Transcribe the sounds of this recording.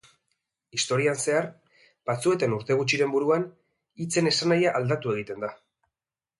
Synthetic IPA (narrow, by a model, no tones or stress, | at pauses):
ist̪o̞ɾianse̞aɾ | b̥at͡sue̞t̪e̞nuɾt̪e̞ɣ̞ut͡ʃiɾe̞mbuɾuan | it͡se̞ne̞sanajaʔːld̪at̪ue̞ɣ̞it̪e̞nd̪a